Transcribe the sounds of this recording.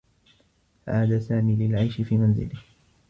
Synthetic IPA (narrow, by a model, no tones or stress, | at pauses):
fa̰ʔaːd̪aːsaːmiːlɪlʕajʃɪfiːmanzɪ̰lɪh